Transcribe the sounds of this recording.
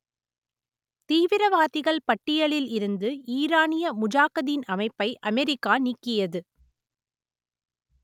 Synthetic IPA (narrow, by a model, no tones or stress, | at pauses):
t̪iːʋɪɾɐʋaːt̪ɪɣɐɭpɐʈːɪjɐɭɪlɪɾɯnd̪ɯʔiːɾaːnɪjɐmʊd͡ʒaːkɐðinɐmɐɪpːɐɪʔɐmɛɾɪkːaːnikːɪjɐðɯ